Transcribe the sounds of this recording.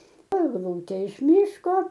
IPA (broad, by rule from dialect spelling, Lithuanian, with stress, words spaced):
ɛɡˈlˠuːtʲeː ɪʃ ˈmʲiːʃkoː